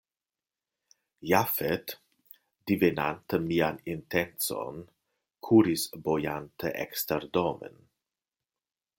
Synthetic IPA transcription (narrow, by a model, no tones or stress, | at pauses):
jafet̪ | d̪̥ivenant̪əmiːanint̪ɛnt͡so̰n | kʰuɾisbojant̪eʔɛ̰kst̪eɾd̪omḛn